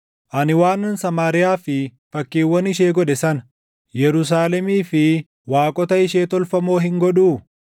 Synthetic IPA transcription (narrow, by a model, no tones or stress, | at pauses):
ʔɐnɪwaːnːɐnsɐmaːɾɪjaːfɪfɐkːiːwːɐnɪʃ̬eːɡɔɗɛsɐnɐ | jɛɾʊs̬aːlɛmiːfɪ | waːkʼɔt̪ɐɪʃeːt̪ɔlfɐmoːɦɪŋɡɔᶑuː